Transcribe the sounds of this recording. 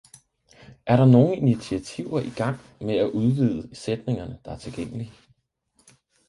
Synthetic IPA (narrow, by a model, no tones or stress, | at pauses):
ʔæɐɾɑ̈no̝ːŋəinit͡sʰiæt͡sʰiʊ̰ɐʔiɡ̥ɑ̈ŋ̰ | meæʔuð̞ˠʋið̞ˠəsed̥ne̝ŋɐnəd̥ɑ̈æɐt͡sʰe̝lɡ̥eŋ̰əli